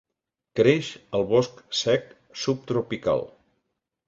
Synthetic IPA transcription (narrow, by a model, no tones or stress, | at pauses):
kɾeʃəlˠβɔsksɛk | sup̚t̪ɾupika̰lˠ